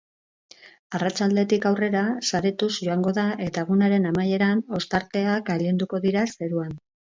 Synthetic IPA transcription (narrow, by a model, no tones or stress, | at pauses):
arat͡ʃald̪e̞t̪ikawre̞ɾasaɾet̪usʝo̞aŋɡo̞ðaʔe̞t̪aeɣ̞unaɾe̞namaje̞ɾano̞st̪aɾt̪e̞akaʎend̪uko̞ðiɾase̞ɾuan